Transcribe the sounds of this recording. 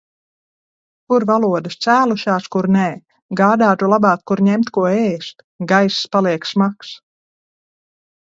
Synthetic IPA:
kuɾvalˠuɔd̪ɨst̪sæːlˠuʃaːskuɾnɛː | ɡaːd̪aːt̪ulˠabɑːkːuɾɲɛmt̪kuɔɛːst̪ | ɡajsspalˠiɛksmaks

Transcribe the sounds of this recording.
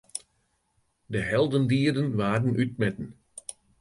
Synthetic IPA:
dəɦɛlˠdəndiːərdənʋaːdənʔyt̚mɛtən̩

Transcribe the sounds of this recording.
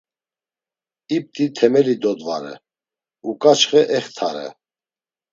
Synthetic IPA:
ip̚t̪ʼit̪ʰɛmɛlid̪ɔd̪va̰ɾɛ̰ | ukʼat͡ʃχɛʔɛχt̪ʰaɾɛ̰

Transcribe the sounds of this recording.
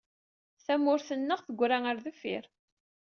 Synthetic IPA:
θæmːʊɾθənːəʁθəɡʷːɾaŋəɾðəfɪ̰ɾ

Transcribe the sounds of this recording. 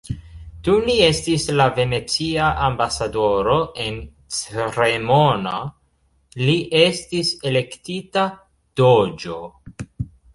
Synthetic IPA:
tulie̞stislave̞ne̞t͡siaʔambasado̞ɾo̞e̞n | t͡seɾemona | liʔe̞stisele̞ktita | d̥od͡ʒo̞

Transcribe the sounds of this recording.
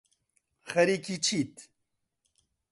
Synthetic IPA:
xɐɾikit͡ʃʰiːt̪

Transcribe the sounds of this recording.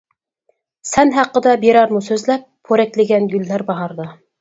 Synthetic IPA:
sɛnɦæqːəd̪ɑbeɾɑɾmusøzlɛp̚ʰːoɾɛkʲlɪɡʲɛnɡʲylːæɾbɑʁɑɾd̪ɑ

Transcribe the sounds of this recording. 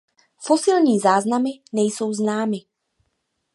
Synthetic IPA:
fo̞sɪlɲiːzaːznamɪnɛjso̞wznaːmɪ

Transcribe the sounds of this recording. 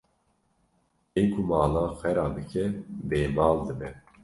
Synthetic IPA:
enkʰumɑːlɑːxɛɾɑːb̪ɨkʰɛbeːmɑːld̪ɨbɛ

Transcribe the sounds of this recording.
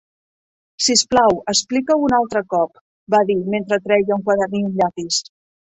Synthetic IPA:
sisplawəsplikəwunalˠt̪ɾəkɔp | baðiment̪ɾət̪ɾɛjəuŋkwaðəniuʎapis

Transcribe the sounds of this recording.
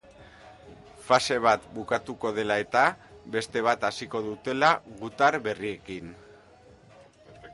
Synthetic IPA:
fase̞β̞at̪bukat̪uko̞ð̞e̞lae̞t̪abe̞st̪e̞β̞at̪asiko̞ðut̪e̞laɣut̪aɾβe̞rie̞kin

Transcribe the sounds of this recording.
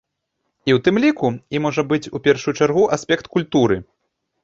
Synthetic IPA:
iwt̪ɨmlʲikuimɔʐɐbɨt͡sʲupʲɛrʂujut͡ʂarɣuʔasʲpʲɛkt̪kulʲt̪uɾɨ

